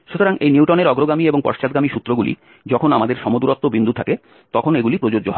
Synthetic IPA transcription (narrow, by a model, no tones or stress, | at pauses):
ʃut̪oɾaŋejniwʈoneɾɔɡɾoɡamieboŋpɔ̰ɾʃt͡ɕat̪ɡamiʃut̪ːɾoɡulḭ | d͡ʑɔkʰonamad̪eɾʃɔmod̪uɾot̪ːobind̪ʱut̪ʰake | t̪ɔkʰoneɡulipɾod͡ʑod͡ʑːoɦɔ